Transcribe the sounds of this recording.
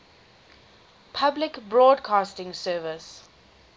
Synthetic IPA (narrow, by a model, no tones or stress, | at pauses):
pʰablɪkbɹɔːdkʰaːstɪ̃ŋsɜːvɪs